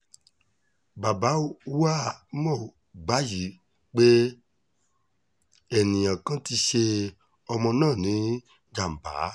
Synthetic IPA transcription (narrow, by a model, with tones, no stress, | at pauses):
ba˨ba˨˦wa˦mɔ̃˦˨ | ɡ͡ba˨˦ji˨˦ | k͡pe˦ | ɛ˨nĩ˨j̃ã˨kã˦ti˧ʃe˧ | ɔ˧mɔ̃˧nãː˦˨nĩ˨˦ | d͡ʒa˨m̩˨ba̰˨˦